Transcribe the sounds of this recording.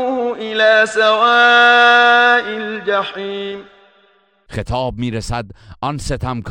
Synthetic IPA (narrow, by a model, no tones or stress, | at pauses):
ʊʔɪlaːsawaː | ʔɪld͡ʒaħiːm | xet̪ʰɑːb̚miːɾesæd̪ʔɒnset̪ʰæmkʰ